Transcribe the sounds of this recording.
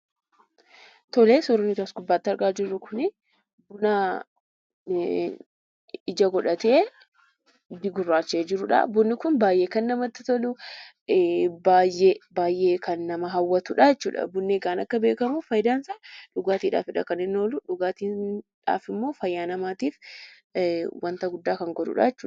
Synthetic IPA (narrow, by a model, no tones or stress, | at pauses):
t̪ɔleːsɔɾnːɪt̪ɐsɡʊbːaːt̪ːɪɐɾɡaːd͡ʒɪrːʊkʊnɪ | bʊnaː | ɪd͡ʒɐɡɔᶑɐt̪e̞ː | b̪ɪɡʊrːaːt͡ʃːeːd͡ʒɪɾʊᶑɐ̰bʊnːɪkʊnbaːjʔeːkɐnːɐmɐt̪ːɪt̪ɔlʊ | baːjebaːjʔeːkɐnːɐmɐɦɐwːɐt̪ʊᶑɐjɛt͡ʃːṵːᶑɐ̰bʊnːeːɡaːnɐkːɐbe̞ːkɐmʊfɐjd̪aːnsaᶑʊɡaːt̪iːᶑa̰ːfɪᶑɐ̰kɐnɪnːoːlʊᶑʊɡaːt̪iːᶑa̰ːfɪmːo̞ːfɐjːaːnɐmaːt̪iːf | wɐnt̪ɐɡʊd̪ːaːkɐŋɡɔᶑʊ̰ᶑɐ̰jɛt͡ʃːuːɐ